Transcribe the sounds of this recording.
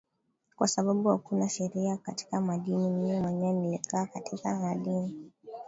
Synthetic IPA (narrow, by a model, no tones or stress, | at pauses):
kwasaɓaɓuhakunaʃɛɾiakati̥kamaɗinimimimwɛɲanilikʰaːkatikamaɗini